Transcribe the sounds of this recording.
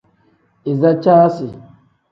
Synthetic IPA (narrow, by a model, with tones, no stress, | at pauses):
ɪ˨za˦t͡ʃaː˦si˨